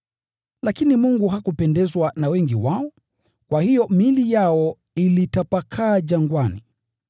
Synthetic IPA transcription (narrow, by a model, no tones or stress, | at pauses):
lakinimuŋɡuɦakupɛndɛzwanawɛŋɡiwaɔ | kwahijɔmilijaɔ | ilitapakʰaːd͡ʒaŋɡwani